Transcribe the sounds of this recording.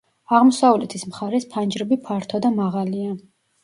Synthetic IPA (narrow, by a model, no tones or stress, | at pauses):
aʁmɔsavlɛt̪ʰismχaɾɛspʰand͡ʒɾɛbipʰaɾt̪ʰɔd̪amaʁalia